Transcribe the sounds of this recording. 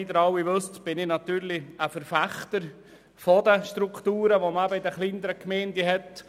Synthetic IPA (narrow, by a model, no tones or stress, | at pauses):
id̪əɾɑwiʋɵstb̥ɪnɪnɑt̪yːɾliəfəɾfæχt̪əɾ | fɔd̪əʃt̪ɾukt̪uːɾəʋoməæbəid̪əχlinəɾəkmɛɪnd̪əɦɛt